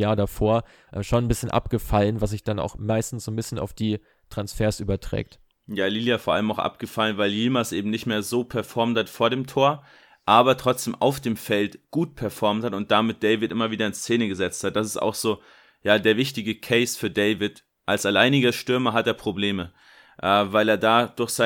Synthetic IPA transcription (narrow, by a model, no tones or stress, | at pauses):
jaːɐdafoːɐ | ʔɛʃoːnnbɪsçənʔa̰p̚ɡ̥əfalənvas̬z̥ɪçd̥ana̰ʊxmaɪstn̩sz̥oːnbɪsçəna̰ʊfd̥iː | tʁ̥ansfeːɐsʔyːbɐtʁ̥ɛ̰ːk̚t | jaːliljafoːɐʔa̰ləmaʊxʔa̰pɡ̥əfalənvaɪljilmasʔeːbm̩nɪçtmeːɐzoːpʰɛɐfɔɐmthatfoːɐɾeːmtʰoːɐ | ʔaːbɐtʁ̥ɔt͡sd̥eːmʔa̰ʊfd̥eːmfɛltɡ̥uːt̚pʰɛɐfɔɐmthatʊnt̚d̥amɪt̚d̥ɛɪvɪtʔɪmɐviːdɾɐɪnst͡seːnəɡəzɛt͡sthat̚d̥as̬ɪ̥sta̰ʊxz̥oː | jaːdeːɐvɪçtɪɡəkʰɛɪsfyːɐdɛɪvɪt | ʔalsalaɪnɪɡɐʃtʏɐmɐɦateːɐpʁ̥obleːmə | ʔɛːvaɪleːɐdaːd̥ʊɐçz̥a